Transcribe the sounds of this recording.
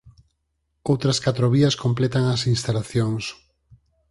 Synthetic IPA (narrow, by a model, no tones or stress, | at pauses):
owt̪ɾɐskat̪ɾoβiɐskomplet̪aŋɐsinst̪alaθjoŋs